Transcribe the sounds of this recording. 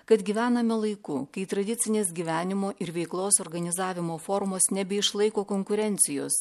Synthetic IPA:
kɐt̪ɡʲiːʋʲæːnɐmʲɛlˠɐɪkukɐɪt̪ɾɐd̪ʲɪt̪sʲɪnʲeːsɡʲiʋʲæːnʲɪmoːʔɪɾʋʲɛɪklˠoːsoːɾɡɐnʲɪzɑːʋʲɪmoːfoɾmoːsnʲɛbʲɛɪʃlˠɐɪkoːkoŋkʊɾʲɛnʲt̪sʲɪjo̰ːs

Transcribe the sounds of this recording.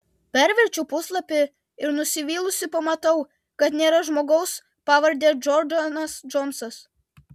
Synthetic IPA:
pʲɛɾʲʋʲɛɾʲt͡ʃʲuːpʊslˠɐpʲɪ | ɪɾnʊsʲɪʋʲiːlˠʊsʲɪpɐmɐt̪ɐʊ | kɐt̪nʲeːɾɐʒmoːɡɐʊs | pɑːʋɐɾʲd̪ʲeːd͡ʒɔɾdɐnɐsd͡ʒɔnsɐs

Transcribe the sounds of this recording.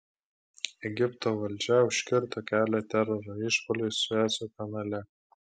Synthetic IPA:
ɛɡʲɪpt̪oːʋɐlʲd͡ʒʲɛʊʃʲkʲɪɾt̪okʲæːlʲæt̪ʲɛɾɔɾoɪʃpoːlʲɛsæːsʲokɐnɐlʲɛ

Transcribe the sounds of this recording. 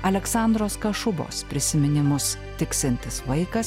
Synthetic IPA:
ɐlʲɛksɑˑnd̪ɾoːskɐʃʊbo̰ːspʲɾʲɪsʲɪmʲɪnʲɪmʊst̪ʲɪksʲɪnʲt̪ʲɪsʋɐɪkɐs

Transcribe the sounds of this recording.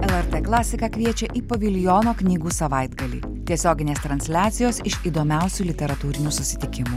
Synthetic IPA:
ɛlˠɛɾt̪ɛklˠɑːsʲɪkɑkʲʋʲiɛt͡ʃʲɛʔipoʋʲɪlʲjɔːnoːknʲiːɡuːsɐʋɐɪd̪ɡɐlʲiː | t̪ʲiɛsʲoːɡʲɪnʲeːst̪ɾɐnʲsʲlʲæːt̪sʲɪjoːsɪʃiːd̪oːmʲæˑʊsʲuːlʲɪt̪ʲɛɾɐt̪uːɾʲɪnʲuːsʊsʲɪ̥t̪ʲɪkʲɪmuː

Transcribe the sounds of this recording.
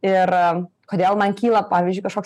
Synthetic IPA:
ɪɾ | koːd̪ʲeːlˠmɐnkʲiːlˠɐpɑːʋʲizʲd͡ʒʲʊɪkɐʃkoːks

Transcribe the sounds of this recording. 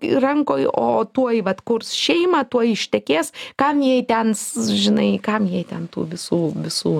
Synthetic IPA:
rɐŋkoːjoːt̪uɔjʋɐt̪kʊrsʃʲɛɪmɑt̪uɔjɪʃʲt̪ʲɛkʲeːskɐmjɛɪt̪ʲɛnsʒʲɪnɐɪkɐmjɛɪtʲɛnt̪ṵːʋʲɪsuːʋʲɪsuː

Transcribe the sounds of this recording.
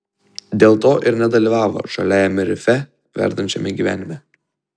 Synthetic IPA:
d̪ʲeːlˠt̪oːʔɪɾnʲɛd̪ɐlʲiʋɑːʋo̰ːʃɐlʲæːjɛmʲɛɾʲɪfʲɛ | ʋʲæ̰ɾd̪ɐnʲt͡ʃʲɛmʲɛɡʲiʋʲæ̰ːnʲɪmʲɛ

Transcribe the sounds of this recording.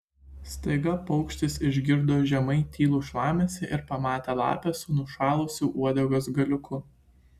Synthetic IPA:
st̪ɐɪɡɐpɒʊkʃʲt̪ʲɪsɪʒʲɡʲɪɾd̪oːʒʲɛmɐɪt̪ʲiːlˠuːʃlˠɑːmʲeːsʲɛʔɪɾpɐmɑːt̪ʲelˠɑ̰ːpʲɛsʊnʊʃɑːlˠʊsʲuːʔuɔd̪ʲɛɡosɡɐlʲʊkʰʊ

